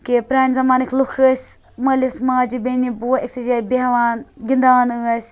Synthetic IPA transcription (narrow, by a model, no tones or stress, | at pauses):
kepɾaːnʲzɐmaːnɐkʰlukʰɨsʲ | mɐlismaːd͡ʒibenibueksid͡ʒabiɦʋaːnɡind̪aːnɨɐsʲ